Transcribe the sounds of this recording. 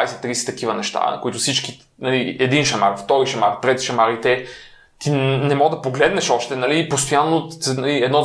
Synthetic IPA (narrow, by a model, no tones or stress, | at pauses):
jsɛt̪ːɾiːsɛ̥t̪ɐkivɐnɛʃt̪a̰koit̪ʊfsit͡ʃki | nɐliɛd̪inʃɐma̰ɾft̪ɔɾiʃɐmaɾt̪ɾɛt̪ʃɐmaɾit̪ɛ | t̪inɛmɔɡd̪ɐpoɡlɛd̪nɛʃɔʃt̪ɛnɐliːpost̪ojanːonɐliɛd̪nɔ